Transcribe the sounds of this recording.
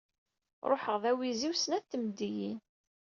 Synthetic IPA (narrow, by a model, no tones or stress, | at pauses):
ɾˤo̰ħəʁðæwiziwsənæt̪ːəmd̪ijin